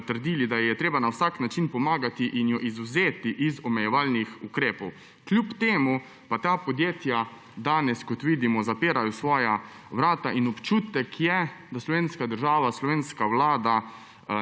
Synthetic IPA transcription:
t̪əɾd̪iːlid̪ajɛt̪ɾeːbanawsaknat͡ʃinpɔmaːɡat̪iʔinjɔʔizuzeːt̪iʔizɔmɛjɛʋalnixukɾeːpɔw | klʲjupt̪eːmu | pat̪aːpɔd̪jeːt̪ja | d̪aːnɛskɔt̪ʋiːd̪imɔzapeːɾajɔsʋɔːja | ʋɾaːt̪aʔinɔpt͡ʃuːt̪ɛkʰjɛd̪aslɔʋeːnskad̪əɾʒaːʋaslɔʋeːnskawlaːd̪a

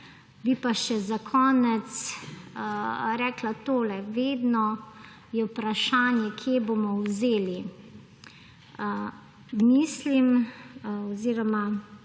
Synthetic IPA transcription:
bipaʃɛzakʰɔːnɛt̪s | ɾɛːklat̪oːlɛʋeːd̪nɔ | jɛwpɾaʃaːnjɛkʰjebomɔwzeːli | mislim | ɔziːɾɔma

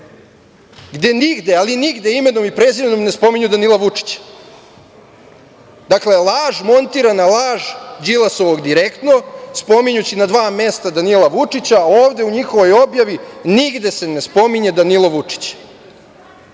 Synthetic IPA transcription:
ɡd̪e̞niɡd̪e̞aliniɡd̪eime̞nomipɾezimenomne̞spo̞miɲud̪anilˠaʋut͡ʂi̥t͡ɕḁ | d̪akle̞lˠaːʒmo̞nt̪iːɾanalˠaːʐd͡ʑilˠaso̞ʋo̞ɡd̪iɾekt̪no̞spo̞miɲut͡ɕinad̪ʋaːme̞st̪ad̪anilˠaʋut͡ʂit͡ɕaoːʋd̪e̞uɲixo̞ʋo̞jo̞bjaʋiniɡd̪e̞se̞ne̞spo̞miɲed̪anilˠoʋut͡ʂi̥t͡ɕ

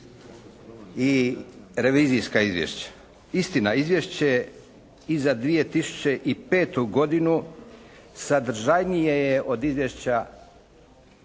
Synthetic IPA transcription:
i | ɾe̞ʋiːzijskaizʋjḛʃt͡ɕḁ | ist̪inaizʋje̞ʃt͡ɕe̞ | izad̪ʋije̞t̪isu̥t͡ɕe̞ʔipe̞ːt̪uɡo̞d̪inu | sad̪ɾ̩ʒajnijejeʔo̞d̪izʋjeʃt͡ɕa

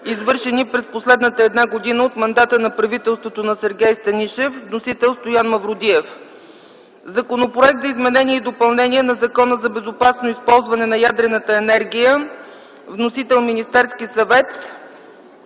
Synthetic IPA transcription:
izvɤɾʃɛnipɾɛsposlɛd̪nət̪əɛd̪naɡod̪inəot̪mɐnd̪at̪ənɐpɾɐvit̪ɛlˠst̪vot̪onɐsɛɾɡʲɛjst̪ɐniʃɛfvnosit̪ɛlˠst̪ojanmɐvɾʊd̪iɛf | zɐkonopɾoɛk̚t̪zɐizmɛnɛniɛid̪opɐlˠnɛniɛnɐzɐkɔnəzɐbɛzopasnoispɔlˠzvɐnɛnɐjad̪ɾɛnət̪əɛnɛɾɡ̟ʲijə | vnosit̪ɛlˠminist̪ɛɾskisɐvɛt̪

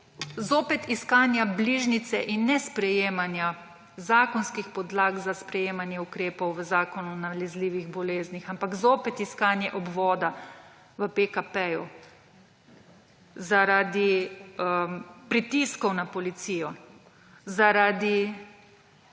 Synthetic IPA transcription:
zoːpɛt̪iskaːnjabliʒnit̪sɛʔinːɛspɾɛjeːmanja | zaːkɔnskixpɔd̪laːɡzaspɾɛjeːmanjɛukɾeːpɔwʋəzaːkɔnunalɛzliːʋiɣbɔleːznixampakzoːpɛt̪iskaːnjɛʔɔbʋɔːd̪a | ʋəpekapɛju | zaɾad̪i | pɾit̪iskɔwnapɔlit̪siːjɔ | zaɾad̪i

